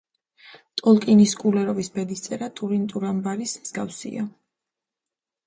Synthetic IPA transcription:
t̪ʼɔlˠkʼiniskʼulɛɾɔvisbɛd̪ist̪sʼɛɾat̪ʼuɾint̪ʼuɾambaɾismz̥ɡafsḭa̰

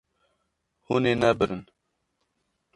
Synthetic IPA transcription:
huneːnɛbɨɾɨn

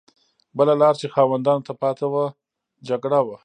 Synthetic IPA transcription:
bəlalɑɾt͡ʃexɑwand̪ɑnot̪apɑt̪awa | d͡ʒaɡɽawa

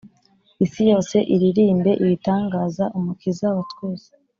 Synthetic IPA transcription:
isijo̞ːse̞ʔiɾiɾiːmbe̞ʔiβitaːŋɡaːzaʔumukizaβatɡwuːze̥

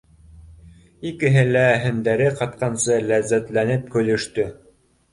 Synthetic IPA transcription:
ikɘ̆ɦɘlæɦɵ̆nd̪æɾɘqɑt̪̚qɑnsɤlæzːæt̪lænɘp̚kɵ̆lɵ̆ʃt̪ɵ

